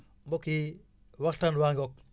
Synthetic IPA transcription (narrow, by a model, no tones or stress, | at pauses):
mboki | waktanwaŋɡɔk̚